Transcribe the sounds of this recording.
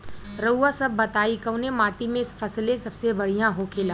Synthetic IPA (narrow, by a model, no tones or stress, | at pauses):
ɾəuːasɐbːɐt̪aːikəʊnemaːʈimẽɪsfʰɐslẽsɐbsebɐɽ̤ijãɦoːkʰeːlaː